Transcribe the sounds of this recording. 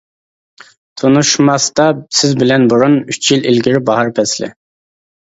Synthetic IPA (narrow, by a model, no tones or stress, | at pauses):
t̪ʰunuʃmɑst̪ɑsɪzbɪlɛnbuɾunyt͡ʃʰjililɡʲiɾɪbɑɦɑɾpʰɛslɪ̰